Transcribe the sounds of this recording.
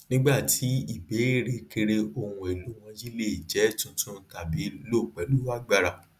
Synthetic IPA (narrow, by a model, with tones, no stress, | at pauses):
nĩ˦ɡ͡ba˦˨ti˨˦i˦˨be˨˦e˦˨ɾe˨ki˧ɾe˧ʔo˧hũ˧e˨lu˨˦w̃ɔ̃˧d͡ʒi˦le˦˨i˨d͡ʒɛ˨˦tũ˧tũ˦ta˨bi˨˦lo˦˨k͡pɛ˨˦lu˨˦a˦ɡ͡ba˧˨ɾa˨